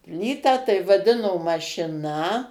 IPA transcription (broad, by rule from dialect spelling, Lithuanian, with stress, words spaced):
ˈpʲlʲiːtɑː tɐɪ ʋɐˈdʲɪnoː mɐʃʲɪˈnɐ